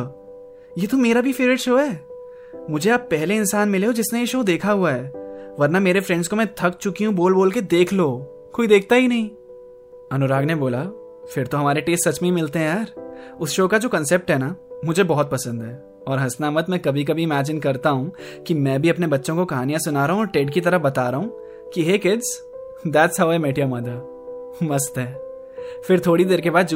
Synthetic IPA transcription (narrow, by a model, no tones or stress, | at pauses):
jeːt̪omeːɾabʱifeːɾɪɖʃoːɦɛː | mʊd͡ʒʱeaːpːɛɦleɪnsaːnmɪleɦod͡ʒɪsnejeʃoːd̪eːkʰaɦuaɦɛːʋɐɾnameːɾefɾɛ̃ɳɖzkomɛ̃t̪ʰɐkt͡ʃʊkiɦũboːlboːlked̪eːkʰloː | koːid̪eːk̚ʰt̪aɦinɐɦĩː | ɐnʊɾaːɡneboːla | fɪɾt̪oɦɐmaːɾeʈeːsʈsɐt͡ʃmẽimɪlt̪eɦɛ̃jaːɾʊsʃoːkad͡ʒoːkɐ̃nseːp̚ʈɦɛːnamʊd͡ʒʱebɔɦɔt̪̚pɐsə̃nd̪ɦɛː | ɔːɾɦɐsnaːmət̪mɛ̃kɐbʱikabʱiɪmæːd͡ʒɪnkɐɾt̪aɦũ | kimɛ̃ːbʱiɐpnebɐtːʃõkokɐɦaːnijãsʊnaːɾɐɦũɔːɾʈeːɖkit̪ɐɾəbɐt̪aːɾɐɦũ | kiɦeːkɪɖz | d̪æʈsɦaʊemeːʈijamaːd̪a | mɐst̪ɦɛː | fɪɾt̪ʰoːɽid̪eːɾkebaːd̪d͡ʒ